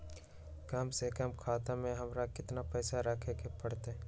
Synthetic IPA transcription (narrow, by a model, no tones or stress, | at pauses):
kɐmsekəmkʰaːt̪amẽɦɐmɾakɪt̪napɛːsaɾɐkʰekepɐɽt̪e